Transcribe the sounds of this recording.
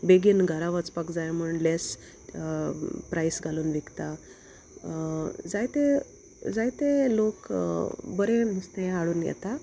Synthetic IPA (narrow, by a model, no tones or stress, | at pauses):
beɡiːnɡʱaɾaʋət͡spakd͡zajm̤əɳles | pɾajsɡʱaluːnʋikt̪a | d͡zajt̪e | d͡zajt̪elok | bəɾemist̪eaɭuːnjɛ̰t̪a